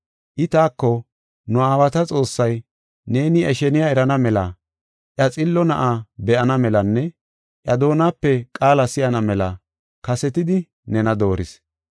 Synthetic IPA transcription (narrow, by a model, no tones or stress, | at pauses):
ʔɪt̪aːkːɔ | nʊaːwɐt̪ɐt͡sʼo̞ːsːɐj | ne̞ːnɪɛʃɛnɪjaɛɾɐnɐmɛlɐ | ʔjɐt͡sʼɪlːɔnɐʔabɛʔɐnɐmɛlɐnːɛ | ʔjɐd̪o̞ːnaːpːɛkʼaːlɐsɪjɐnɐmɛlɐ | kɐsɛt̪ɪd̪ɪ | nɛnɐd̪o̞ːɾɪs